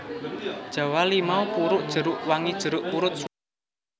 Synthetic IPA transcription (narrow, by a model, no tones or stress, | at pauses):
d̥ʒ̥a̤walimaupuɾʊʔd̥ʒ̥ə̤ɾʊʔwaŋid̥ʒ̥ə̤ɾʊʔpuɾʊt̪̚s